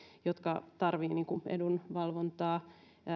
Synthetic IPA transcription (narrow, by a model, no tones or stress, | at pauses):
jot̪kɑt̪ɑrʋiːniːŋkuʔḛdunʋɑlʋont̪ɑː